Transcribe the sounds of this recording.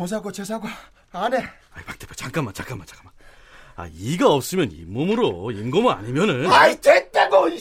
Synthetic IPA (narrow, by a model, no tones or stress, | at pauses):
os̬ʰaɡwat͡ɕes̬ʰaɡwaː | ne | aipak̚t͈ʰepʰet͡ɕaŋk͈amːant͡ɕaŋk͈amːant͡ɕḁk͈aman | a̰iɡaʌp̚s͈ɯmjʌnḭmːomɯɾoimɡomɯna̰ɲimjʌnɯnait͡ɕet͈eɡoi